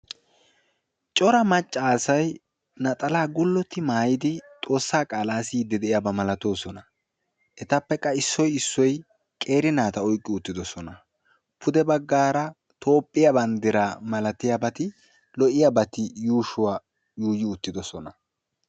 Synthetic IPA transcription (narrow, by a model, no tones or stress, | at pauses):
t͡ʃʼɔɾɐmɐt͡ʃʼːaːsɐj | nɐt̪ʼɐlaːɡʊlːɔt̪ːɪmaːjɪd̪ɪt̪ʼo̞ːsːaːkʼaːlaːsɪd̪ɪd̪ɛɪjabɐmɐlɐt̪o̞ːsɔnɐ | ʔɛt̪ɐpːɛkʼːɐɪsːɔjɪsːɔj | kʼe̞ːɾɪnaːt̪ɐɔjkʼːɪʊt̪ːɪd̪ɔsɔnɐ | pʰʊd̪ɛbɐɡːaːɾɐ | t̪ʰo̞ːpʼːɪjabɐnd̪ɪɾaːmɐlɐt̪ɪjabɐt̪ɪ | lɔʔɪjabɐt̪ɪjuːʃʊwa | juːjɪʊt̪ːɪd̪ɔsɔnɐ